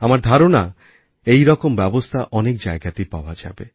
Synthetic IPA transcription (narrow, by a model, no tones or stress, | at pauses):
amaɾd̪ʱaɾona | ejɾɔkombɛbost̪ʰaʔɔnekd͡ʒajɡat̪ipa̰wad͡ʒa̰be